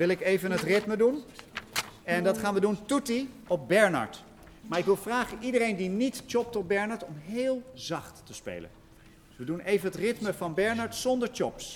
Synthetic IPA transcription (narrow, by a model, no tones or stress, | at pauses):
ʋɪlˠɪkejvənətrɪtmədun | ɛndɑtχaːnʋəduntuti | ɔp̚bɛɹnɑ̰ɹt | maːɹɪkʋɪlˠvraːχənʔidəɾejndinitt͡ʃɔp̚tɔt̚bɛɹnɑɹtɔmɦeːlˠzɑχtːəspḛjlə̰n | ʋədunʔejvənɦətrɪtməvɑnbɛɹnɑɹtsɔndəɹt͡ʃɔps